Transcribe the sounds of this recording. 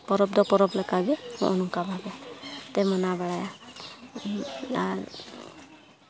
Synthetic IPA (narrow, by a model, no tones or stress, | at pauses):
pɔɾɔb̚d̪ɔpɔɾɔblɛkaɡɛhɔ̰ʔɔnɔŋkabʱabɛt̪ɛmɔnabaɽaja | aɾ